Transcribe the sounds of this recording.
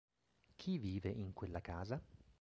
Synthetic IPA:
kʰivːiːveʔiŋkwelːakaːza

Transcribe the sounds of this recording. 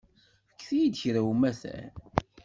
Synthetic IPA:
fə̥kːθijid̪çɾæwumæθæ̰

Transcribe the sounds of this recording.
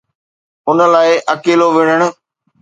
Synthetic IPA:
ʊnə̆laːɪʔɐkeːloʋɪɲəɽ̃ʊ̆

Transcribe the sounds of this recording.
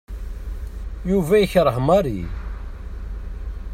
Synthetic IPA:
juvæjəçɾˤəɦmɑɾḭ

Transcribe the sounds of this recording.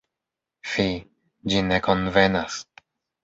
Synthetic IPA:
fi | d͡ʒineko̞nvenas

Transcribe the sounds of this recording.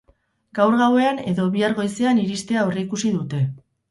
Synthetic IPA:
ɡawɾɣawe̞ane̞ðo̞βiaɾɣo̞jse̞aniɾist̪e̞aoriikusiðut̪e̞

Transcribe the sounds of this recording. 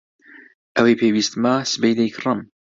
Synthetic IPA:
ʔɐwepʰewiːst̪masɨbejd̪ejkʰɨrɨm

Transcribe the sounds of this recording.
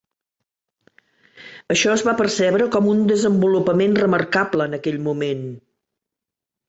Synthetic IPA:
əʃɔəzβapərsɛβɾəkɔmund̪əzəmbulupəmenrəmərkabləːnəkɛʎmumen

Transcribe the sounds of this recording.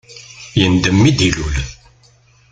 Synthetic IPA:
jənd̪əmːid̪ilul

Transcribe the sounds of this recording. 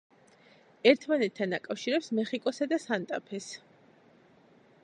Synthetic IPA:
ɛɾt̪ʰmanɛt̪̚t̪ʰːand̪akʼafʃiɾɛpsmɛχikʼɔsad̪asant̪ʼapʰɛs

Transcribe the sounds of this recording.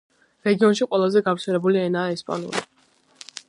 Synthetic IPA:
ɾɛɡiɔnʃiqʼwɛlˠazɛɡafɾsʰɛɾɛbuliɛnaːɛspʼa̰nṵli

